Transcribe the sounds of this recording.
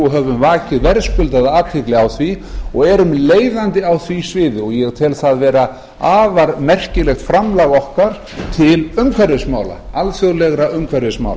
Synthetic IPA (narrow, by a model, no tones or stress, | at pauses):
uɦœvʏmvaːcɪðvɛɾskʏlt̪aðaːt̪ʰɪklɪawθviɔɣɛɾʏmleːjðant̪ɪawθvisvɪːðɪɔɣjɛɣt̪ʰɪlθaðvɛːɾa | aːvaɾmɛr̥cɪlɛxt̪fɾamlaɣɔhkaɾ̥ | t̪ʰɪlʏmkʰvaɾðɪsmaːwla̰alθjʏɣlɛɣɾaʏmkʰvaɾðɪsma̰wl